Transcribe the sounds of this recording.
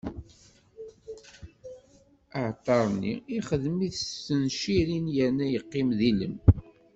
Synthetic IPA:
əʕt̪ˤːɑɾˤnḭiχəðmiθəsənʃiɾinjænːæjəqːimðilə̰m

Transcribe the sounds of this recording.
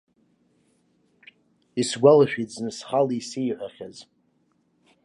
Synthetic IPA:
isɡʷalaʃᶣid͡znɨsχalisijħʷaχʲaz

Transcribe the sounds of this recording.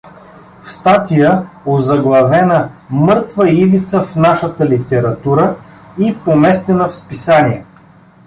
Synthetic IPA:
fst̪at̪ijəozɐɡlˠɐvɛnəmɤɾt̪vəivit̪səfnaʃət̪əlit̪ɛɾɐt̪uɾə | ipomɛst̪ɛnəfspisaniɛ

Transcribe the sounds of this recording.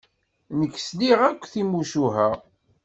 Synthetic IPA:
nəkːsliʁækʷːθimuʃuɦæ

